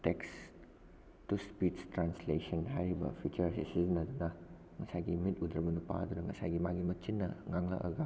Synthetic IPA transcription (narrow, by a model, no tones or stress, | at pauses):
teks | tuspitstɾanslesɔnɦajɾibɐ̰pʰjut͡ʃɐɾsisiznɐdunɐ | ŋɐsajɡimit̚udɾɐbɐnupa̰ɐdunɐŋɐsajɡimaɡimɐt͡ʃinːɐŋaŋla̰ʔɐ̰ɡa